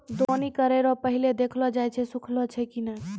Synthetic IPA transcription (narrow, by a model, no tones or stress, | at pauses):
d̪onikəɾeɾɔpəɦiled̪ekʰlɔd͡ʒajt͡ʃʰɛsũkʰlɔt͡ʃʰɛkinə